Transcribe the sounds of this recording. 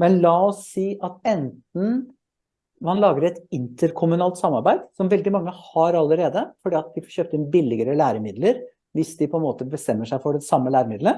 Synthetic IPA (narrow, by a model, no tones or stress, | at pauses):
mɛnlɑːɔsːiːʔɑt̪ɛnt̪n̩ | hɑnlɑːɡəɾɛt̪ɪnt̪əɾkʰʊmʉnɑːlt̪sɑmːɑɾbæɪd̪sɔmʋɛld̪ɪmɑŋːəhɑɾɑlːəɾeːd̪əfɔɖiːɑt̪d̪ɪfɔɕøːp̚t̪əɪnbɪlːɪɡəɾəlæːɾəmɪd̪ləɾ | ʋɪsd̪ɪpʰɔɛnmoːt̪əbəst̪ɛmːəʂæɪfɔɖɛsɑmːəlæːɾəmɪd̪lə